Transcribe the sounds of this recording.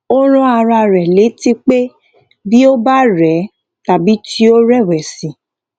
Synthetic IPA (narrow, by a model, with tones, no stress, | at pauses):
o˦ɾ̃ɔ̃˦a˧ɾa˧ɾɛ˨le˨˦ti˦k͡pe˦ | bi˦o˦ba˦ɾɛ˨˦ | ta˨bi˨˦ti˦o˦ɾɛ˦˨wɛ˨sĩ˨